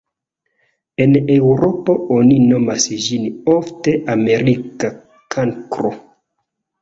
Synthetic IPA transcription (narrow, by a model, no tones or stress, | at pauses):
enewɾopoonino̞masʒinofteʔameɾika | kʰaŋkɾo̰